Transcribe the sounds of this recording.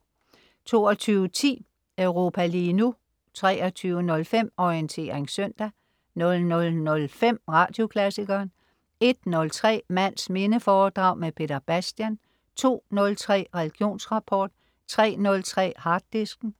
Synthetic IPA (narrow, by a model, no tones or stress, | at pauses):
t͡sʰo̝̰ːɒt͡sʰyːʊət͡sʰḭː | øʊʁo̝pʰæliːnu | t͡sʰʁɛ̰ːɐt͡sʰyːʊənɔ̽lfem̰ɒiənt͡sʰe̝̰ːɐʁeŋsœn̰d̥æ | nɔ̽lnɔ̽lnɔ̽lfem̰ʁɑ̈ːd̥jo̝kʰlæsiɡ̥ɐːn | e̝d̥̚nɔ̽lt͡sʰʁɛ̰ːmæn̰sme̝nəfɒːd̥ʁɑ̈ʊmepʰe̝d̥ɐb̥æsd̥jæn | t͡sʰo̝̰ːnɔ̽lt͡sʰʁɛ̰ːʁɛliɡ̥jo̝̰ːnsʁɑ̈pʰɒːd̥ | t͡sʰʁɛ̰ːnɔ̽lt͡sʰʁɛ̰ːhɑ̈d̥ːesɡ̥n̩